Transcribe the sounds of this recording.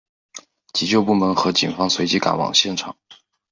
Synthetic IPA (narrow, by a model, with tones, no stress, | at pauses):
t͡ɕi˧˥t͡ɕjo˥˧ʊpu˥˩mə˧˥nxɤ˧˥t͡ɕi˨˩nfɑ˥ŋswe˧˥ɪt͡ɕi˧˥ka̰˨˩nwɑ̰˨˩ŋɕjɛ˥˩nʈ͡ʂʰɑ˨˩˦ŋ